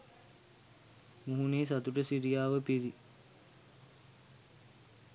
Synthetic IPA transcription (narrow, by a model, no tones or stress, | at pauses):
muɦuneːs̬at̪uʈəsiɾijaːʋəpiɾi